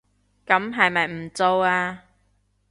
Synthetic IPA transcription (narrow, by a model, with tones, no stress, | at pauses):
kɐ˨˥mɦɐ˨jmɐ˨jm̩˨˩t͡so˧waː˧